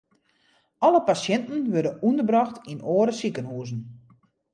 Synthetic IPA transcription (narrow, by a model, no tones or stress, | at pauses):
ɔləpasjɛntn̩ʋødəundəbrɔxtʰinoːɾəsikənhuːzn̩